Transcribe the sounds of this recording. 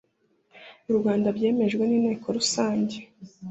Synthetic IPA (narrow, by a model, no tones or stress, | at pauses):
uɾuɡaːndabɟe̞ːme̞ʒɡwe̞niːne̞ːkʰo̞ɾusaːɲɟe̞